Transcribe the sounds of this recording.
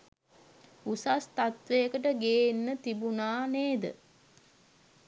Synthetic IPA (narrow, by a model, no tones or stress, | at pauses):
usast̪at̪ʋejəkəʈəɡeːnːət̪ibunaːneːd̪ə̰